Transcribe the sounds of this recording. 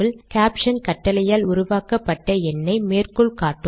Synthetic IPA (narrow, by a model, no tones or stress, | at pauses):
ɪlkaːpʂɐnkɐʈːɐlɐjaːlʊɾʊʋaːkɐpːɐʈːɐɛnːɐɪmeːrkɔɭkaːʈːɯ